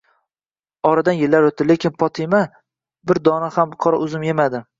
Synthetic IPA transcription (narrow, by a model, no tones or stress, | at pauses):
ɒɾad̪anjɪlːaɾwot̪̚ːɪle̞kʲʰɪnpʰɒt̪ʰɪma | bɪɾd̪ɒnahamqʰɒɾaʔʊzɪmjemad̪ɪ